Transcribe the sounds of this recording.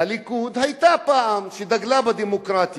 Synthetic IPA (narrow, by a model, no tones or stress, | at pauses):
ɐlikuːd̪ɦɐjt̪aːpaːʔamʃid̪ɐɡlaːbɐd̪imokɾaːt̪